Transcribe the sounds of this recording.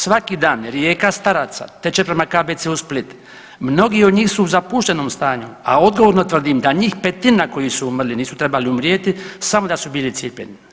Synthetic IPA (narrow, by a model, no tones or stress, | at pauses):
sʋakid̪aːnɾjeːkast̪aɾat̪sa̰t̪e̞t͡ʃepɾe̞makabet̪siusplit̪ | mno̞ɡiːo̞d̪ɲiːxsuːzapuʃt̪eno̞ːmst̪aːɲua̰o̞d̪ɡoʋoɾnot̪ʋr̩d̪imd̪aɲiːxpet̪inako̞jisuumrliniːsut̪ɾe̞baliumɾjet̪isamo̞d̪asubiːlit̪sipʲjeni